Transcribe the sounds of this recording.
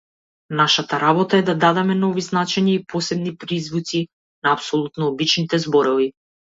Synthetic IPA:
naʃat̪aɾabɔt̪aɛd̪ad̪ad̪ɛmɛnɔviznat͡ʃɛɲaipɔsɛbnipɾizvut̪si | naːpsɔlˠut̪nɔːbit͡ʃnit̪ɛzbɔɾɔvi

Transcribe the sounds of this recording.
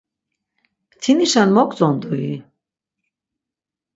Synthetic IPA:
t̪ʰiniʃanmɔkʼt͡sʼɔnd̪ui

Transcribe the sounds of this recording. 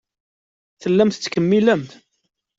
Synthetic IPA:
θəlːæmt̪t͡sːkəmːiləmt̪

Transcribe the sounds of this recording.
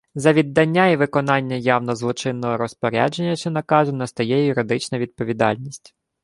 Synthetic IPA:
zɐʋʲid̪ːɐnʲːaiʋɪkɔnɑnʲːɐjɑwnɔzlˠɔt͡ʃɪnːɔɦɔɾɔspɔɾʲa̰d͡ʒenʲːɐʃt͡ʃɛnɐkɑʒʊnɐst̪ɐjɛjjʊɾɪd̪ɪt͡ʃnɐʋʲid̪̚pɔʋʲid̪ɑ̰lʲnʲisʲtʲ

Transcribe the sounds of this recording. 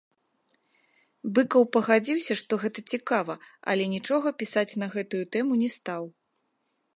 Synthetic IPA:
bɨkɐwpɐɣad͡zʲiwsʲɐʂt̪ɔɣɛt̪ɐt͡sʲikavɐɐ̰lʲɛnʲit͡ʂɔɣɐpʲisat͡sʲnɐɣɛt̪ujut̪ɛmunʲɛst̪aw

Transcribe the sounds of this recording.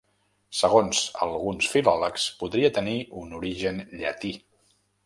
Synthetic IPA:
səɣ̞onzə̰lˠɣunsfilɔləkspuðɾiət̪əniunuɾiʒənʎə̰t̪i

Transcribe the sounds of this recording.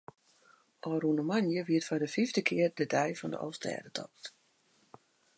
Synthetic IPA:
ʔɔːrunəmanjəʋiətfɔdəfivdəkʰɪərdədɛjfɔndə̰ʔɔ̰ːstɛ̰ːdətʰɔ̰kt

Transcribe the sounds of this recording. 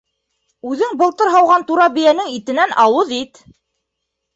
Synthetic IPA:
ʉðɘŋbɤ̆lˠt̪ɤɾɦɑwʁɑnt̪uɾɑbijænɘŋit̪ɘ̆nænʔɑwɤðit̪

